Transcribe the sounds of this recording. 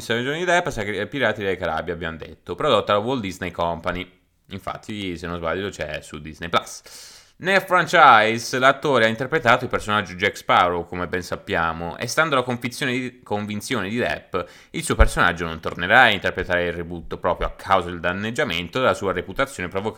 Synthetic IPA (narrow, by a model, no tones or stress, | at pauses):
soned͡ʒoːnd̪id̪ɛpːsakpiɾaːt̪id̪ekaɾa̰bjabːjand̪ḛt̪ːopɾod̪ot̪ːalawold̪iznejkɔmpani | iɱfa̰t̪ʰːisenːozbaʎːd̪ot͡ʃɛ̰suld̪iznejplas | nelfɾant͡ʃajslat̪ːoːɾeaint̪erpɾet̪aːt̪oilpersonad͡ʒːod͡ʒɛkspawɾokomebːɛnsapːjaːmoʔḛst̪and̪olakoɱfit̪sːjoːned̪ikoɱvint̪sjoːned̪id̪ɛ̰pː | ilsuːopersona̰d͡ʒːonont̪orneɾaaint̪erpɾet̪aːɾeilribut̪ːopɾɔːpɾjoakʰːawzad̪eld̪anːed͡ʒːament̪od̪elːasuːaɾeput̪at̪sːjoːnepɾovok